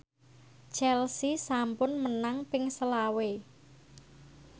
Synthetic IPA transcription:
t͡ʃɛlsisampʊnmənaŋpɪŋsəlawe

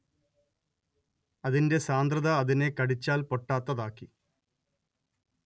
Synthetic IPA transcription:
ɐðinde̞saːnd̪rɐðɐːðine̞kɐɽit͡ɕːaːlpo̞ʈːaːt̪ːɐðaːkːi

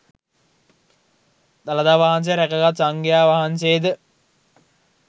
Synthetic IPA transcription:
d̪alad̪aːʋaɦans̬ejɾækəɡat̪saŋɡejaːʋaɦanseːd̪ə

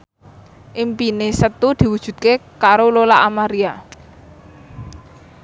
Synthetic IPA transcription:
ʔimpinesət̪ud̪̥i̤wud̥ʒ̥ṳd̪̚kekaɾololaʔamaɾia

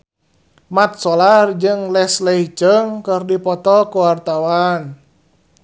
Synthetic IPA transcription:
mat̪̚sɔlard͡ʒɨŋlɛslɛit͡ʃəŋkɨrdipɔt̪ɔkuwart̪awan

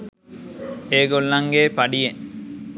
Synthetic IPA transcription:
eːɡolːɐŋɡeːpɐɖijeŋ

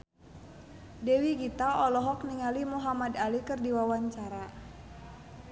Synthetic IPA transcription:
dɛwiɡit̪aɔlɔɦɔk̚niŋalimuɦamadalikɨrdiwawaɲt͡ʃaɾa

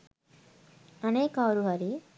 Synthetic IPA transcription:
əneːkawɾuɦaɾi

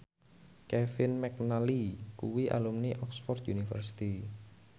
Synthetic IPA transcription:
kɛfɪnmɛk̚nalikuwiʔa̰lumniʔɔksfɔrd̪unifə̰rsi̥t̪i

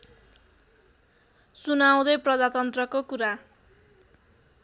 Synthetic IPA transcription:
sunaw̃d̪ʌjprʌd̪at̪ʌnt̪rʌkokuɾa

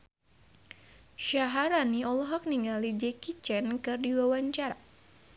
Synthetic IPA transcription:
ʃaɦaɾaniɔlɔɦɔk̚niŋɡalid͡ʒɛkit͡ʃɛnkɨrdiwawaɲt͡ʃaɾa

